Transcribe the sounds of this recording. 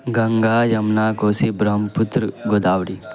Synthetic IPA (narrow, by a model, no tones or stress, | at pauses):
ɡɐŋɡaːjɐmnaːkoːsibɾɐɦmpʊt̪ɾəɡod̪aːʋɽi